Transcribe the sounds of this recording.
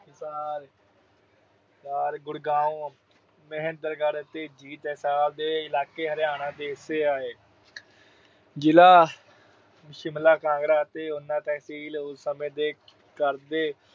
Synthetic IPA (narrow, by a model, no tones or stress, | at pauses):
saːɾ | saːɾɡʊɽɡãːũː | məɦənd̪əɾɡəɾt̪eːd͡ʒiːt̪ɦɪsaːbd̪eːɪlaːkeːɦəɾɪjaːnãːd̪eːɦɪseːaːeː | d͡ʒɪlaː | mʃɪmlaːkãːŋɡɾaːt̪eːʊnːãːt̪ɛːɦsiːlʊsːəmẽːd̪eː | kəɾd̪eː